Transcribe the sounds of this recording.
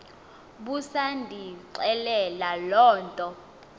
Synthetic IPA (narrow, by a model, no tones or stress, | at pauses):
ɓusandʱiǀɛlɛlalɔːntʼɔ